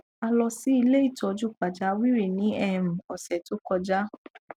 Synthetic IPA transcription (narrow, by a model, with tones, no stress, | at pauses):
a˧lɔ˧si˨˦i˧le˦i˦˨tɔ˧d͡ʒu˦k͡pa˨d͡ʒa˨˦wi˦ɾi˦˨nĩ˨˦ɛ˦˧˨m̩˨ɔ˨sɛ˨to˨˦kɔ˧d͡ʒa˦